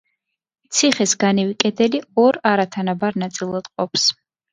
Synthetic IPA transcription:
t̪sʰiχɛsɡanɛvikʼɛd̪ɛliɔɾaɾat̪ʰanabaɾnat̪sʼilˠad̪̥qʼɔps

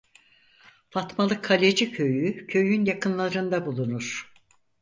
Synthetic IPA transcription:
fat̪malˠɯkʰːalʲed͡ʒicʰøjycʰø̞jynjakʰɯnlˠaɾɯnd̪abulˠunuɾ̥

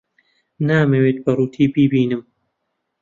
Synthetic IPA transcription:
naːmɐweːt̪̚bɐruːt̪ʰiːbiːbiːnɨm

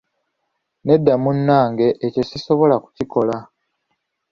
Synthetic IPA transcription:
ne̞dːamunːaːŋɡe̞ʔːce̞ciso̞βo̞laku̥ciko̞la

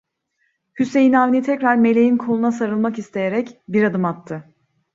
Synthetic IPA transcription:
hyse̞jinaːvnʲit̪ʰɛcɾaɾme̞lʲe̞jinkʰo̞lˠunas̬aɾɯlˠmakist̪ʰe̞je̞ɾɛcbiɾad̪ɯmat̪ʰːɯ

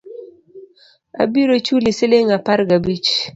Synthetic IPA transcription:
a̰biɾot͡ʃulɪsɪlɪŋapaɾɡabit͡ʃ

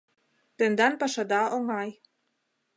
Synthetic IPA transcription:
t̪ənd̪anpaʃad̪ɑoŋɑj

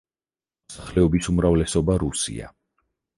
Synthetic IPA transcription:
saχlɛɔbisumɾavlɛsɔbaɾusḭa̰

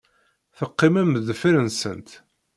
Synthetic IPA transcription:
θəqːimæməðəfiɾənsə̰nt̪

